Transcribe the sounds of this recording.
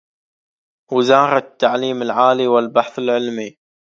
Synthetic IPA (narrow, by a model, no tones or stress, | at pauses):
wɪzɑːɾˤɑt̪ːaʕliːmɪlʕaːliwɪlbaħθɪlʕɪlmi